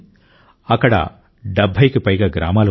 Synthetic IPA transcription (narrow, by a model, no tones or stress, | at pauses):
ɐkːɐɽɐ̰ | ɖɐbʱːɐjkːɯpɐjɣɐɡɪɾa̰ːmaːl